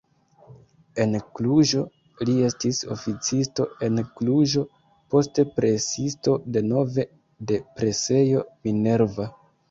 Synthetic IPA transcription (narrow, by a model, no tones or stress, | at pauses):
e̞nkluʒo̞ | lie̞stiso̞̰fit͡sisto̞e̞nkluʒo̞ | po̞ste̞pɾe̞sisto̞de̞no̞ve̞ | de̞pɾe̞se̞jo̞mine̞ɾva